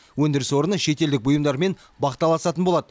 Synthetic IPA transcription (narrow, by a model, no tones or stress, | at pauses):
wɵnd̪ɪɾɪswo̞ɾənəʃe̞t̪e̞ld̪ɪk̚bʊjəmd̪ɑɾme̞n | bɑqt̪ːɑlˠɑsɑt̪ənbo̞lˠɑd̪ə